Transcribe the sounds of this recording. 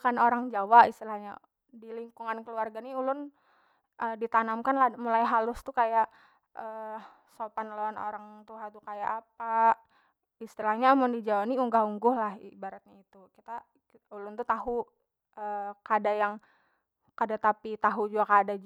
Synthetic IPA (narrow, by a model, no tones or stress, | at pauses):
kanoɾaŋd͡ʒawaʔist̪ilahɲa̰ | diliŋkuŋankəluarɡaniulʊn | ʔəːdit̪anamkanlahmulajɦalʊst̪ukajaʔ | ʔə | sopanloano̰ɾaŋt̪uɦat̪ukajaʔːpa | ist̪ilahɲaːmʊndid͡ʒawaniuŋɡahuŋɡʊhlahḭbaɾat̪̚ɲait̪ukit̪a | ulʊnt̪ut̪aɦu | əkadajaŋ | kadat̪apit̪aɦud͡ʒuɡakada